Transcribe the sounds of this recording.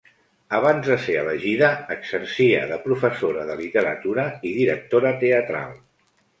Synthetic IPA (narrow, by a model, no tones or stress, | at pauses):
əβ̞anzðəseələʒiðəːksəɾsiə̰ðəpɾufəsoɾəðəlit̪əɾət̪uɾəiðiɾək̚t̪oɾət̪eət̪ɾa̰lˠ